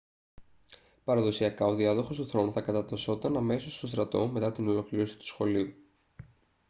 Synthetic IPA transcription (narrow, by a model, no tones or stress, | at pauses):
pɐɾɐðo̞siɐkɐo̞ðiɐðoxo̞st̪uθɾo̞nuθɐkɐt̪ɐt̪ɐso̞t̪ɐnɐme̞so̞st̪o̞st̪ɾɐt̪o̞̰me̞t̪ɐt̪ino̞lo̞kliɾo̞si̥t̪u̥sxo̞liu